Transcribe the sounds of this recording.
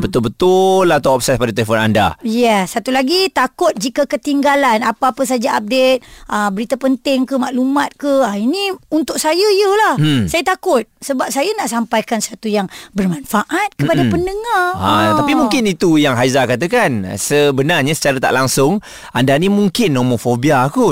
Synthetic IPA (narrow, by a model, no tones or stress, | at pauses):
bət̪ʊlbət̪ʊlat̪awɔp̚sɛs̚padat̪əlefɔna̰nda̰jɛsːat̪ulaɡit̪akʊt̪̚d͡ʒikakət̪iŋɡalanapaapəs̬ad͡ʒaʔap̚det̪̚ʔəbəɾit̪apənt̪ɪŋkəmaʔlumat̪̚kəainiunt̪ʊʔ̚sajəjəlahsajat̪akʊt̪̚səbap̚sajanaʔsampajkanswat̪ujaŋbərmanfaʔat̪̚kəpadapənəŋaat̪apimuŋkɪnit̪ujaŋɦajzakat̪̬əkansəbənarɲasə̥t͡ʃaɾat̪a̰ʔlaŋsʊŋ | ʔandanimuŋkɪnːomofobiaːku